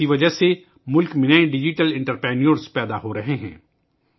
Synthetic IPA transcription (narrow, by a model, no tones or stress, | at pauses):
iʋɐd͡ʒəɦse | mʊlkmɪnaːẽɖɪd͡ʒiʈəlɪ̃ɳʈəɾpɾɛːnijoɾspɛːd̪aɦoɾɐɦeɦɛ̰̃ː